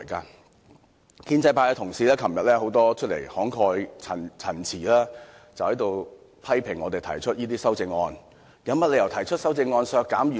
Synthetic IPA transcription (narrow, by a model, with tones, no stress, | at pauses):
kaː˧ | kʰiː˥nt͡sɐ˧jpʰaː˧jɛ˧t̪ʰʊ˨˩ŋsiː˨lɛː˥kʰɐ˨˩mjɐ˨t̚lɛː˥ho˨˥wt̪ɔː˥t͡ʃʰɵ˥t̚lḛ˨˩jhɔː˨˥ŋkʰɔː˧jt͡sʰɐ˨˩nt͡sʰɐ˨˩nt͡sʰiː˨˩laː˥ | t͡sɐ˨whɐ˨˥jt̪o˨˧w | pʰɐ˥jpʰɪ˨˩ŋːɔː˨˧t̪e˨jt̪ʰɐ˨˩jt͡ʃʰɵ˥t̚jiː˥t̪iː˥sɐ˥wt͡sɪ˧ŋːɔː˧n | jɐ˨˧˥wmɐ˥t̚le˨˧jɐ˨˩wt̪ʰɐ˨˩jt͡ʃʰɵ˥t̚sɐ˥wt͡sɪ˧ŋːɔː˧nsœː˧kːaː˨˥mjyː˨